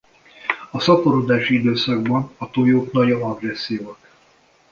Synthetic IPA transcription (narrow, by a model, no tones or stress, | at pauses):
ɒsɒpoɾod̪aːʃiid̪øːsɒɡbɒnɒt̪ojoːknɒjonɒɡrɛsːijoːk̪